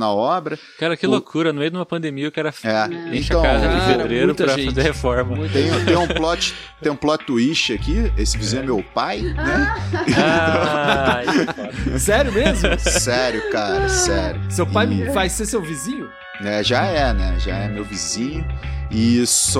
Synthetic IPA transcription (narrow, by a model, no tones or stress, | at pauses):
nɐɔbɾɐ | kaɾɐkɪlokʰuɾɐnʊmejʊd̪ũmɐpɐ̃nd̪emiɐʊkaɾɐfɛẽʃɐ̃wazɐfed̪ɾeɾɾʊt̪ɾʒefazeɾhefɔɾmɐ̃ẽj̃t̪ẽj̃ũplɔt͡ʃɪ̥t̪ẽj̃ũplɔt͡ʃɪt̪uiʃt͡ʃɪakiesɪvizĩɲʊɛmewpajnɛa | sɛɾjʊmezmʊsɛɾjʊkaɾɐsɛɾjʊsewpajfajsesewvizĩɲʊ | ɛʒaɛnɛ̰ʒa̰ɛmewvizĩɲʊɪs